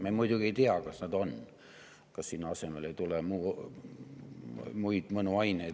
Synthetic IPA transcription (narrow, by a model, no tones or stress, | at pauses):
memujd̪uɡieit̪iɑkɑsnæd̪on | kɑssinɑsemeleit̪ulemuː | muid̪̥mənuɑinei